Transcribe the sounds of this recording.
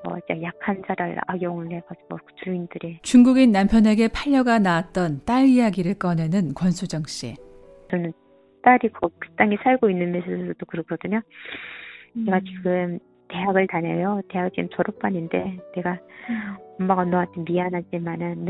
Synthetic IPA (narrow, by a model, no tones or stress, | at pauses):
ʌ̰ajakʰansʰaɾaɭa̰ɡjoŋɯnekad͡ʑiʌt͡ɕuindɯɾit͡ɕuŋɡuɡinːampʰjʌne̞ɡe̞pʰaʎːʌɡanawat̚t͈ʌnt͈aɭijaɡiɾɯɭk͈ʌne̞nɯnkwʌnsʰud͡ʑʌŋɕ͈ḭ | t͡ɕʌnɯn | t͈aɾikʌkɯ̥t͈aŋisʰaɭɡoinːɯnmesʰoʌtokɯɾʌkʰʌdɯɲo | neɡat͡ɕiɡɯm | te̞ɦaɡɯɭtane̞jote̞ɦaɡɯɭt͡ɕiɡɯmt͡ɕʌɾʌp͈aɲinde̞ne̞ɡa | ʌmːaɡanoatemianɦad͡ʑimanɯnː